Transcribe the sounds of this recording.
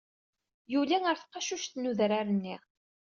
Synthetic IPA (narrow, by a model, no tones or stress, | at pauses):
julæŋəɾθəqːɑʃuʃt̪nuðɾaɾənːiʁ